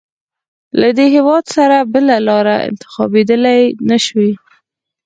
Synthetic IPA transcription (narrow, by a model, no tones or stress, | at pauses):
lad̪eɦɪwɑd̪saɾabəlalɑɾaɪ̰nt̪ɪ̥xɑbed̪əlajnaʃwi